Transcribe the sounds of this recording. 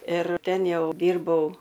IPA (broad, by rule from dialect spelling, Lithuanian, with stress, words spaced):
ɪr ˈtʲɛn ˈjɛʊ ˈdʲiːrbɐʊ